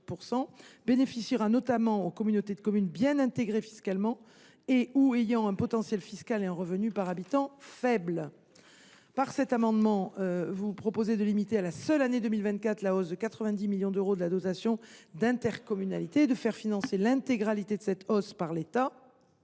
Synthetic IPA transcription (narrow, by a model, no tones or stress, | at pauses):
puʁsɑ̃benefisiʁanɔt̪amɑ̃okɔmynot̪ed̪əkɔmynbjɛ̃nɛ̃t̪eɡʁefi̥skalmɑ̃ | euejɑ̃ɛ̃pɔt̪ɑ̃sjɛlfiskaleɛ̃ʁəvənypaʁabit̪ɑ̃fɛbl | paʁsɛt̪amɑ̃d̪mɑ̃øvupχɔpozed̪əlimit̪ealasœlaned̪ømilvɛ̃nt̪̚kat̪χlaɔsd̪əkat̪χəvɛ̃d̪imiljɔ̃d̪øʁod̪əlad̪ɔt̪asjɔ̃d̪ɛ̃t̪ɛʁkɔmyna̰lit̪eːd̪əfɛʁfinɑ̃selɛ̃t̪eɡʁalit̪ed̪əsɛt̪ɔspaʁlet̪a